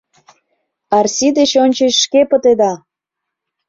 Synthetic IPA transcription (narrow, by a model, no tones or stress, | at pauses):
ɑrsid̪et͡ɕonʲt͡ɕeɕʃkepə̆t̪ed̪ɑ